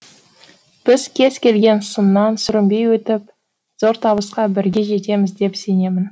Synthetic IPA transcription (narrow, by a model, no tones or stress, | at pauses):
b̥ɪzkʲʰe̞z̥kʲʰe̞lɡʲe̞nsʊnːɑnsʏɾɪmbe̞jwɵt̪ɪp̚ | z̥o̞ɾt̪ʰɑbəsqɑbɪɾɡʲe̞ʒe̞t̪e̞mɪzd̪e̞pse̞ne̞mɪn